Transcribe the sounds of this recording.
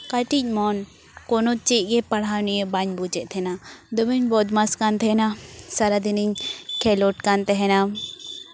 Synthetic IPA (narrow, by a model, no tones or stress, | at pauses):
kaʈic̚ˀmɔn | kɔnot͡ʃiʔ̚ɡɛpɐɽ̤anijəbaɲbut͡ʃɛʔt̪ʰɛnad̪ɔbiɲbɔt̪maskant̪ʰɛnasaɾad̪iniɲkʰɛloʈkant̪ɛɦɛna